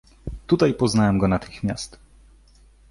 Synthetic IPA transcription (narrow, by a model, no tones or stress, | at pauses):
t̪ut̪ajpɔznawɛmɡɔnat̪ɘxmʲjast̪